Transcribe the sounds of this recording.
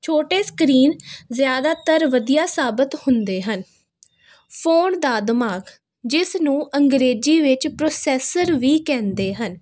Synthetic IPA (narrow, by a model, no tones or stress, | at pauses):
t͡ʃʰoːʈeːskɾiːnzjaːd̪aːt̪əɾʋəd̪ijaːsaːbət̪hʊnd̪eːɦən | pʰoːnd̪aːd̪ɪmaːɡ | d͡ʒɪsnũːʔəŋɡɾeːd͡ʒiːʋɪt͡ʃpɾoːsɛːsəɾʋiːkɛ̃ːnd̪eːɦən